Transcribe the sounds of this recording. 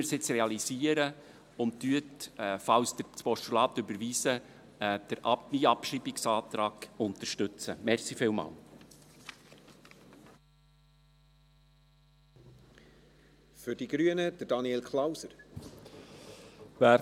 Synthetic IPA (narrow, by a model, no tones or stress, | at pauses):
əɾsɪt͡srɛɑlisiːəɾə | ʊnttyətːfɑwsd̥̪əɾpɔʃtulɑːt̪ʏbəɾʋiːsə | d̥əɾʔmiɑpʃiːbɪksɑːt̪ɾɑːɡ̥ʊnt̪əɾʃtɵt͡səmɛɾχsifɪːlmɑ̰ːl | fʏɾd̥iɡɾyənəd̥əd̥ɑnielkʰlawsəɾ | væ